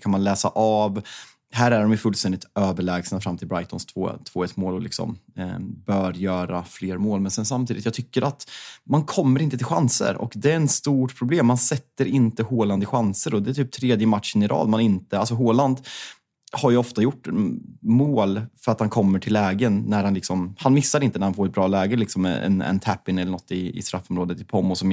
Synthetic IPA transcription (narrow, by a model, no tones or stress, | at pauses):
kʰanmanlɛːsa̰ʔav | hæːɾæɖɔmjɵfɵlst̪ɛnd̪ɪt̪øːvəɭɛːɡsnafɾamːt̪ʰɪlbɾajt̪ɔnst̪ʰvo̰ːt̪ʰv̥oːɛt̪ːmoːlɔlɪ̰ksɔ̰mbœːɾjœːɾafleːɾmoːlmɛnsɛns̬amt̪ʰiːd̪ɪt̪jɑːt̪ʰʏkːəɾat̪mankʰɔmːəɾɪnt̪ət̪ʰɪlɧa̰nsə̰ɾɔ̰kd̪ɛɾɛt̪st̪uːʈpʰɾʊbleːmːansɛt̪ːəɾɪnt̪əhoːland̪ɪɧansəɾɔd̪ɛæʈʰyːp̚t̪ʰɾeːd̪jəmat̪ʂənɪɾʔɑ̰ːd̪manɪnt̪əals̬ɔɦoːland̪ | haɾjɵɔft̪ajʊʈːmoːlfœɾat̪hankʰɔmːəʈʰɪlːɛːɡənːæɾhanlɪksɔmhanmɪsːaɾɪnt̪ənæɾhanfoːɾɛt̪̚bɾɑːlɛːɡəlɪksɔmɛ̰ɛ̰nɛ̰nt̪ʰæpːɪnɛlːəɳɔt̪ːɪɪ̰st̪ɾafːɔmɾoːd̪ət̪ʰːɪlpʰɔmːʊsɔm